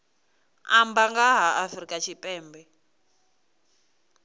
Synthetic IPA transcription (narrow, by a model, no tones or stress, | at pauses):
a̰mbaŋɡaɦaʔafrikʼat͡ʃʰipʼɛːmbɛ